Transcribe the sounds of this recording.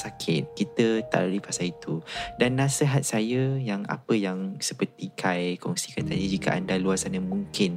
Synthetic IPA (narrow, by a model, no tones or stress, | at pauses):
sakʰɪt̪̚kit̪ət̪a̰ʔlalipasait̪udanːãsəɦat̪̚sajəjaŋa̰pəjaŋsəpərt̪ikʰajkɔŋsi̥kant̪a̰did͡ʒikəʔa̰ndaluasanəmũŋkɪn